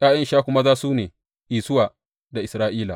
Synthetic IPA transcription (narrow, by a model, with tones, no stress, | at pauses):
ʔaː˦jɐ˦nʃaː˦kʷʊ˦ma˦zaː˦suː˦neː˨ | ʔiː˨sʊ˦waː˨ | da˨ʔɪ˨sɾaː˦ʔiː˦la̰ː˨